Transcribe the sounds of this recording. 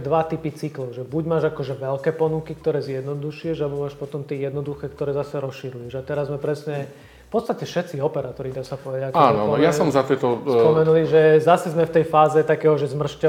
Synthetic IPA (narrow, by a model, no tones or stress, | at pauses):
d̪ʋat̪ipit͡siklɔʊʒɛbuɟmaːʒakɔʒɛʋɛlkɛːpɔnukikt̪ɔɾɛːzjɛd̪nɔd̪uʃiɛʒalɛbɔmaːʃpɔt̪ɔmt̪iɛjɛd̪nɔd̪uxɛːkt̪ɔɾɛːzasɛɾɔsʃiɾujɛʒat̪ɛɾazːmɛpɾɛsɲɛ | fpɔtst̪acɛfʃɛt̪t͡siɔpɛɾaːt̪ɔɾid̪asapɔʋɛjaakaːnɔjasɔmzat̪ɪɛt̪ɔspɔmɛnuliʒɛzasɛzmɛft̪ɛjfaːzɛt̪akɛːɦɔʒɛzmr̩ʃcɛ